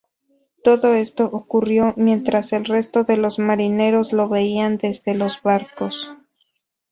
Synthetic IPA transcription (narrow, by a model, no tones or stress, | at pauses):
t̪o̞ðo̞e̞st̪o̞ʔokurjo̞mje̞nt̪ɾase̞lre̞st̪o̞ðe̞lo̞zmaɾine̞ɾo̞zlo̞βe̞iand̪e̞zðe̞lo̞zβaɾko̞s